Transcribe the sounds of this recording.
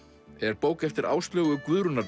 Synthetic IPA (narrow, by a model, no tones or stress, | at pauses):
ɛɾpoːwkɛft̪ɪɾa̰ːwst̪ljœːɣʏkvʏðɾʏnaɾ